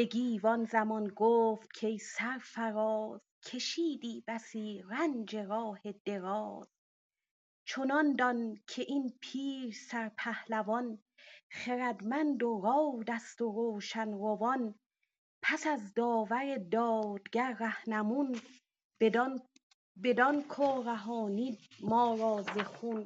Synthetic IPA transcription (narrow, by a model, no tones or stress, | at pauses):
b̥e̞ɡiːvɒnzæmɒnɡoːft̪̚kʰe̞jsæɾfæɾɒːz̥ | kʲʰe̞ʃiːd̪iːbæsiːɾænd͡ʒe̞ɾɒːhe̞d̪̥e̞ɾɒːz̥ | t͡ʃʰonɒnd̪ɒnkʰe̞ʔinpʰiːɾsæɾpʰæhlævɒn | χeɾæd̪mænd̪oɾɒːwd̪æst̪oɾoːʃænɾovɒn | pʰæsæzd̪ɒːvæɾe̞d̪ɒːd̪ɡæɾːæhnæmun | be̞d̪ɒnkʰoːɾæɦɒːniːmɒːɾɒːzexun